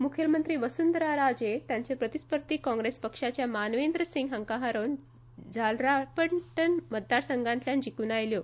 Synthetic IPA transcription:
mukʰelmənt̪ɾiːʋəsund̪əɾaɾad͡ʑet̪jaɲt͡ɕepɾət̪ispəɾt̪iːkɔ̃ŋɡɾespəkʂat͡ɕjamanʋend̪ɾəsĩŋɡɦəŋkãɦaɾon | d͡zalɾapəɳʈənmət̪̚d̪aɾsəŋɡãnt̪ljand͡ʑikuːnajljo

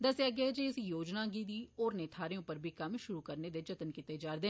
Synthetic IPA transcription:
d̪əseaɡɛɛd͡ʒeːɪsjoːd͡ʒnãːɡid̪iːɔːɾneːt̪ʰaːɾeõːpəɾbʱiːkɐmʃʊɾuːkəɾneːd̪eːd͡ʒət̪ənkɪt̪eːd͡ʒaːɾd̪eː

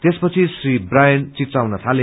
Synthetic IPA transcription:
t̪espʌt͡sʰisribrajʌnt͡sit̪awnʌt̪ʰale

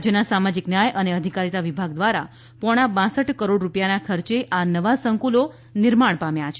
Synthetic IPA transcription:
d͡ʒənasamad͡ʒiknjajʔəneəd̪ʱikaɾit̪aʋibʱaɡd̪ʋaɾa | pɔɽ̃abãsəʈkəɾoɖɾupjanakʰəɾt͡ʃeʔanəʋasəŋkulo | nɪɾmaɳ̃pamjat͡ʃʰe

